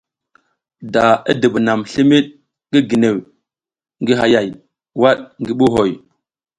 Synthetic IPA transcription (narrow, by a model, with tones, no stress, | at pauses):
da˨ḭ˦də˨bna˨mɬi˦mi˦ɗ̚ | ŋɡi˦ɡi˨ne˨w | ŋɡi˦ɦa˨ja˨j | wa˦ɗŋɡi˦ɓu˦ɦo˨j